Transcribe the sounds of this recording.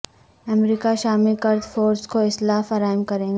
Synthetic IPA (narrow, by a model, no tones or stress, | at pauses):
ɐmɾiːkaʃaːmilkɐɾd̪foːɾskoɪslaːfɐɾaːɪmkɐɾẽːɡaː